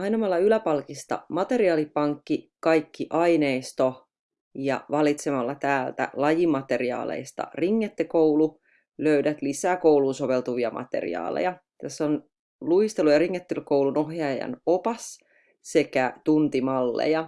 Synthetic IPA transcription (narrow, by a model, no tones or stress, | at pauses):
ɑjnomɑlːɑylæpɑlkist̪ɑ̰mɑt̪e̞ɾiɑːlipɑŋkːikɑjkːiʔɑineist̪o̞ | jɑ̰ʋɑlit̪semɑlːɑt̪æːlt̪æ̰lɑjimːɑt̪e̞riɑ̰ːlḛist̪ɑ̰riŋːet̪ːekoulu | løydæt̪lisæːkouwlunso̞ʋe̞lt̪uʋiɑmʔɑ̰t̪e̞̰rḭɑ̰ːlḛjɑ | t̪æsːon | luist̪elujɑɾiŋːet̪ːelkouwlunoɦjɑjɑ̰nopɑs | se̞kæt̪unt̪imɑlːḛjɑ